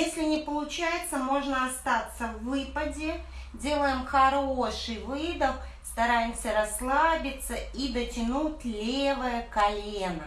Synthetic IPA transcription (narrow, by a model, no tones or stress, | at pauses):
jesʲlʲɪnʲɪpəlˠʊt͡ɕæjɪt̪səmo̞ʐnəɐst̪at̪səvːɨpədʲɪ | dʲe̞lˠəjɪmxɐɾoʂɨjvɨd̪əfst̪ɐɾajɪmsʲəɾɐslˠabʲɪt̪səid̪ətʲɪnutʲlʲevəjəkɐlʲenə